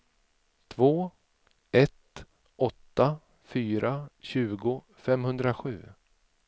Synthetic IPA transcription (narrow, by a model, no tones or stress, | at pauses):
t̪ʰvoː | ɛt̪ | ʔɔt̪ːa | fyːɾaɕʉ̟ːɡʊ | fɛmhɵnd̪ɾaɧʉ̟ː